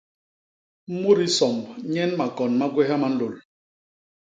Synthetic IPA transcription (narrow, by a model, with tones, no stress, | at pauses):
m̩˦mu˦ɾi˦sɔ˨mɲɛ˦nma˨kɔ˨nma˦ɡwɛ˦ɦa˦ma˨˦n̩˦lo˨l